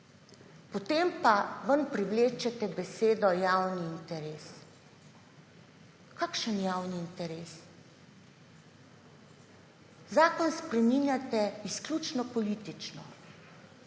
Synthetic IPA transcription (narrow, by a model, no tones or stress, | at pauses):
pɔt̪eːmpaʋənpɾiwleːt͡ʃɛt̪ɛbɛseːd̪ɔjaːwniːnt̪ɛɾeːs | kaːkʃənjaːwniːnt̪ɛɾeːs | zaːkɔnspɾɛminjat̪ɛisklʲjut͡ʃnɔpɔliːt̪it͡ʃnɔ